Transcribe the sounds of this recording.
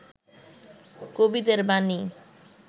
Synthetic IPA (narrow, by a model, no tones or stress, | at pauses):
kobid̪eɾbani